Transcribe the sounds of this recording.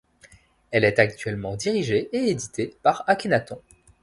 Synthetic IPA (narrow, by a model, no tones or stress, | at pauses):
ɛlɛt̪ak̚t̪ɥɛlmɑ̃d̪iʁiʒeeed̪it̪ʰepaʁakʲenat̪ɔ̃